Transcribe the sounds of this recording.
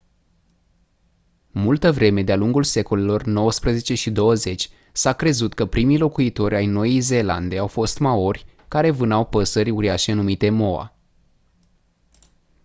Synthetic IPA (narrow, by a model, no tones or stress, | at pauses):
mult̪əvɾe̞me̞d̪ealuŋɡulse̞ko̞lelo̞rno̞wəspɾəze̞t͡ʃe̞ʃid̪o̞wəze̞t͡ʃʲ | sakɾe̞zut̪kəpɾimijlo̞kuit̪o̞ɾʲajno̞jejze̞ːla̰nd̪e̞awfo̞st̪mao̞rʲkaɾe̞vɨnawpəsərʲuɾiaʃe̞numit̪e̞mo̞a̰